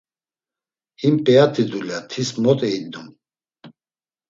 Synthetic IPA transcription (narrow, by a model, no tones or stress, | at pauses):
himpʼɛat̪ʰid̪ulat̪ʰismɔt̪ʼɛid̪um